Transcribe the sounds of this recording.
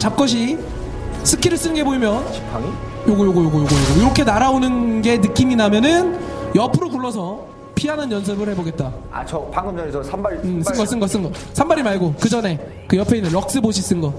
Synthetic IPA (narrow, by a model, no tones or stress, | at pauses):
t͡ɕap̚k͈ʌɕ̬ʰi | sʰɯkʰiɾɯɭs͈ɯnɯnɡeboimjʌn | paŋ | joɡʌjoɡʌjoɡʌjoɡʌjoɡʌiɾʌkʰe̞naɾaonɯnɡe̞nɯk͈iminamjʌnɯnjʌpʰɯɾokuɭːʌsʰʌ | pʰiɦanɯnjʌnsʰɯbɯɭhe̞boɡe̞t̚t͈a | a̰t͡ɕʌpaŋɡɯʌʌsʰmɯsɯnɡʌs͈ɯnɡʌs͈ɯnɡʌ | sʰambaɾimaɭɡokɯd͡ʑʌne̞ | kɯjʌpʰeinːɯnɾʌk̚s͈ɯboɕʰis͈ɯnɡʌ